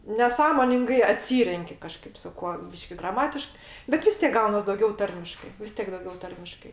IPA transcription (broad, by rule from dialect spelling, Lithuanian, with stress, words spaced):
nʲɛˈsɑːmoːnʲɪŋɡɐɪ ɐˈtʲsʲiːrʲɛŋʲkʲɪ kɐˈʃkɐɪp sʊ ˈkuɔ ˈbʲiːʃʲkʲɪ ɡrɐˈmɑːtʲɪʃk bʲɛt ˈʋʲɪs tʲeːk ˈɡɐʊnɐs dɐʊˈɡʲɛʊ ˈtɐrʲmʲɪʃkɐɪ ʋʲɪs ˈtʲiɛk dɐʊˈɡʲɛʊ ˈtɐrʲmʲɪʃkɐɪ